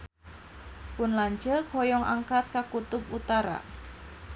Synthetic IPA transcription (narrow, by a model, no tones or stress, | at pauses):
pʊnlaɲt͡ʃəkʰɔjɔŋʔa̰ŋkat̪̚kakut̪ʊp̚ut̪aɾa̰